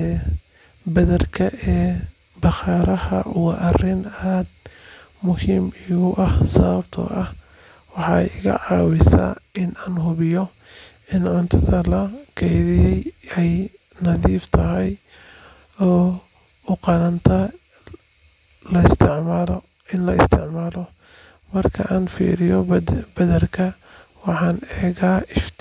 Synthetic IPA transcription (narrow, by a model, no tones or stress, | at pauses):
bɐðɐrkʰɐʔɛː | bɑχɑːɾɐhɐʔʊwɐʔɐrɪnad̪ | mʊhiːmiɣʊʔɐhsɐβɐbt̪ʰɐ̰ʔɐh | wɑħɑːɪɣɐ̰ʕɑːwɪsa̰ːɪnaːnɦʊβɪjɔ | ɪnʕʊnt̪ʰɐðɐlɐkʰɛjðɪjɛjɛj | nɐðiːft̪ʰɐɦɛj | ɔː | ʊqɑnɐnt̪ʰɐ | lɐɪst̪ʰɪʕmaːl | ɪnlɐɪst̪ʰɪʕmaːlɔ | mɐrkʰɐ̰ʔaːnfḭːɾɪjɔbɐðɐrkʰɐ | wɑħɑːnɛːɣaːʔɪft̪